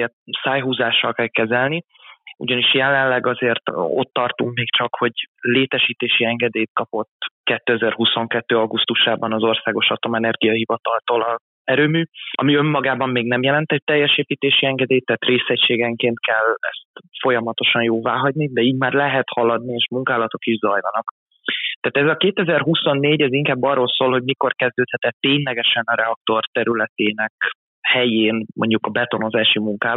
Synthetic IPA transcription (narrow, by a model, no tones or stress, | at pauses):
ert̪saːjɦuːzaːʃːɒlkɛlkɛzɛlni | uɟɒniʃjɛlɛllːɛɡɒzeːrt̪o̞̰t̪ːɒrt̪uŋkmeːkt͡ʃɒkho̞ɟleːt̪ɛʃiːt̪eːʃiɛŋɡɛd̪eːjt̪̚kɒpo̞t̪kɛt̪ːøɛzɛrhuso̞ŋkɛt̪ːøːɒɡust̪uʃaːbɒnɒzo̞rsaːɡo̞ʃɒt̪o̞mɛnɛrɡijɒɦivɒt̪ɒlt̪olɒ | ɛɾøːmyːɒ̰miø̞mːɒɡaːbɒmːeːɡnɛmjɛlɛnt̪ɛc̚t̪ːɛjːɛʃeːpiːt̪eːʃiɛŋɡɛd̪eːjt̪ːaːt̪reːsɛcʃeːɡɛŋkeːnt̪̚kɛlɛ̰st̪fo̞jɒmɒt̪o̞ʃɒnjoːvaːɦɒɟnid̪ɛiːɟmaːrlɛɦɛt̪hɒlɒd̪nieːʃmuŋkaːlɒt̪o̞kiʒzɒjlɒnɒk | t̪aːt̪ɛzɒkeːt̪ɛzɛrɦuso̞nːeːɟɛziŋkaːbːɒrːoːlsoːlho̞ɟmiko̞rkɛzd̪øːt̪hɛt̪ɛt̪ːeːɲlɛɡɛʃɛnɒɾɛɒk̚t̪o̞rt̪ɛɾylɛt̪eːnɛk | hɛjeːnmo̞̰ɲɟukɒbɛt̪o̞no̞zaːʃimuŋkaː